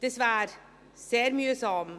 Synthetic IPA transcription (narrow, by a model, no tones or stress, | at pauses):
d̪̥esʋæːɾ | seːɾmyːsɔm